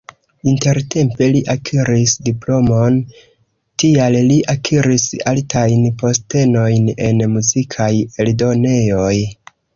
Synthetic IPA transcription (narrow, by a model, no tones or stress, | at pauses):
inte̞ɾtʰe̞mpe̞liʔakʰiɾisdiplo̞mo̞n | tialliʔakʰiɾisaltajnpo̞ste̞no̞jne̞nmuzikʰaje̞ldo̞ne̞jo̞j